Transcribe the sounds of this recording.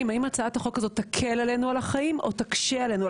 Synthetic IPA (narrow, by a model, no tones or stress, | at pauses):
mhaimat͡saat̪aχo̞kazo̞t̪ːakʰelale̞nualaχaimʔo̞t̪akʃeale̞nu